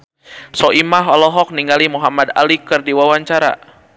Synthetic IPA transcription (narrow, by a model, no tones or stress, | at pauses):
sɔʔimaɦɔlɔɦɔk̚niŋɡalimuɦamad̪a̰likɨrdiwawaɲt͡ʃaɾa̰